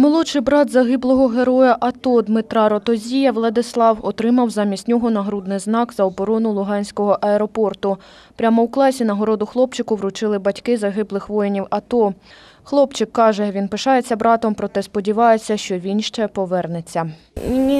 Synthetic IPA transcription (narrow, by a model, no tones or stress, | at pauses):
mɔlˠɔʃɪjbɾɑd̪zɐɦɪblˠɔɦɔɦeɾɔjɐʔɐt̪ɔd̪mɪt̪ɾɑɾɔt̪ɔzʲijɐʋlˠɐd̪ɪslˠɑwɔt̪ɾɪmɐwzɑmʲisʲtʲnʲɔɦɔnɐɦɾud̪nɪjznɑkzɐɔbɔɾɔnʊlˠʊɦɑnʲsʲkɔɦɔʔɐɛɾɔpɔrt̪ʊ | pɾʲamɔwklˠɑsʲinɐɦɔɾɔd̪ʊxlˠɔpt͡ʃɪkʊʋɾʊt͡ʃɪlˠɪbɐtʲkɪzɐɦɪblˠɪxʋɔjɪnʲiwɐt̪ɔ | xlˠɔpt͡ʃɪkːɑʒɛʋʲinpɪʃɑjet͡sʲːɐbɾɑt̪ɔmpɾɔt̪ɛspɔdʲiʋɑjet͡sʲːɐʃt͡ʃɔʋʲinʃt͡ʃɛpɔʋɛrnet͡sʲːɐ